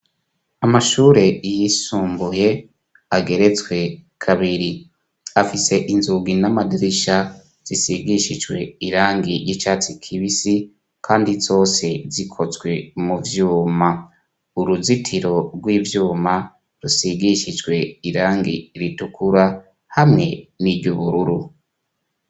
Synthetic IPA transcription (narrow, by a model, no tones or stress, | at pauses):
amaʃuːɾe̞jisuːmbuje̞ | aɡe̞ɾe̞t͡swe̞kʰaβiɾi | afise̞ʔinzuɡinamadiɾiʃa | z̥isiɡiʃid͡ʒɡwe̞iɾaːŋɡijit͡ʃaːt͡sikʰiβisi | kʰaːndizo̞ːse̞zikʰo̞zɡwe̞muvjuːma | uɾuzitʰiɾo̞ɾɡwiːvjuːma | ɾusiɡiʃid͡ʒɡwe̞iɾaːŋɡḭɾitukʰuɾa | hamŋe̞niɟuβuɾuɾu